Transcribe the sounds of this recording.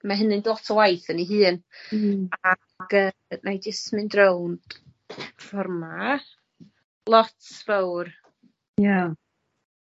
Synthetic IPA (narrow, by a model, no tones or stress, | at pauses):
maɦənɨndlˠɔtʰəwajθəniɦɨːn | a | ɡəːnajdɪsmɨndrownd̥ | fɔrma | lˠɔtʰvawr | ja